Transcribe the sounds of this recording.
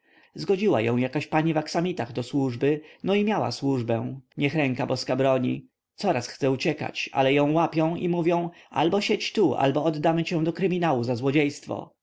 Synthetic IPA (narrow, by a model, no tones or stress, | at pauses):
zɡɔd͡ʑiwa̰jɔ̰̃w̃jakaɕpaɲivaksamʲit̪aɣd̪ɔswuʐbɘnɔimʲjawa̰swuʐbɛ̃w̃ɲɛxɾɛŋkabɔskabɾɔɲḭ | t̪sɔɾasxt̪sɛut͡ɕɛka̰t͡ɕa̰lɛjɔ̃w̃wapʲjɔ̃w̃imuvʲjɔ̃w̃a̰lbɔɕet͡ɕt̪uʔa̰lbɔɔd̪ːamɘt͡ɕɛ̃w̃d̪ɔkɾɘmʲinawuzazwɔd͡ʑejst̪fɔ̰